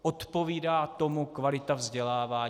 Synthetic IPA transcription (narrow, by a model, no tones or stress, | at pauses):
ʔot̪po̞viːdaːt̪o̞mukvalɪt̪avzɟɛlaːvaː